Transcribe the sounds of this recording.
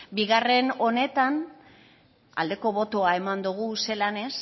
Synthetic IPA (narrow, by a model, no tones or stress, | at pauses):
biɣare̞no̞ne̞t̪an | a̰ld̪e̞ko̞βo̞t̪oae̞mand̪uɣ̞use̞lane̞s